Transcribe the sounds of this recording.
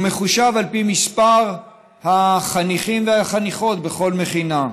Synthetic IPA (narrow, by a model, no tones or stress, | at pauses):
me̞χuʃavalpimispaʁ | haχaniχimveaχaniχo̞t̪be̞χo̞lme̞χina